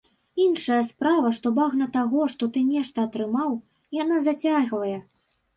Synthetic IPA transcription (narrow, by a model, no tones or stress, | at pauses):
inʂɐjɐspɾavɐʂt̪ɔbaɣnɐt̪aɣɔʂt̪ɔt̪ɨnʲɛʂt̪ɐːt̪ɾɨmaw | janazat͡sʲaɣvɐjɛ